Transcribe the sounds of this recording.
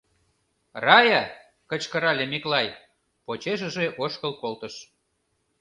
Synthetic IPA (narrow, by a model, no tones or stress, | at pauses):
rɑjɑ | kət͡ɕkəɾɑlʲemiklɑj | pot͡ɕeʒə̆ʒeʔoʃkəlkolt̪əʃ